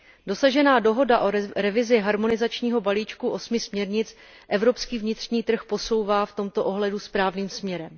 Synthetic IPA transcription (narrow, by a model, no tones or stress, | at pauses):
do̞saʒɛnaːdo̞ɦo̞daʔoɾɛvɪzɪɦaɾmo̞nɪzat͡ʃɲiːɦo̞baliːt͡ʃkuʔo̞smɪsmɲɛɾɲɪt͡s | ʔɛvɾo̞pskiːvɲɪt̪r̝̥ɲiːt̪r̩xpo̞so̞wvaːft̪o̞mt̪o̞ʔo̞ɦlɛduspɾaːvniːmsmɲɛɾɛm